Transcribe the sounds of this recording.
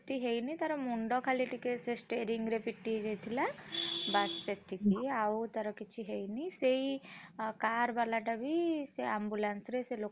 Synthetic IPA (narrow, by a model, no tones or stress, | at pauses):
t̪iɦejnit̪aɾɔmuɳɖɔkʰaliʈikesesʈeɾiŋɡɾepiʈːid͡ʒejt̪ʰilabasset̪ʰikiawt̪aɾɔkit͡ʃʰiɦejnisejkaɾbalaʈabiseambulansɾeselo